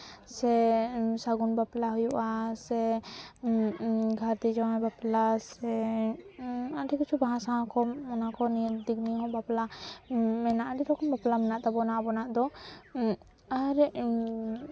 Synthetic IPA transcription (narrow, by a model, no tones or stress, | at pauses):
sɛsaɡunbaplaɦujuʔasɛ | ɡʱaɾd̪ɛd͡ʒawabaplasɛ | aɖikit͡ʃʰubaɦãsaɦɔ̃kɔmɔnakɔnid̪ikniɦɔ̃bapla | mɛnaʔadiɾɔkɔmbaplamɛnaʔt̪abɔnaʔbɔnaʔd̪ɔ | aɾ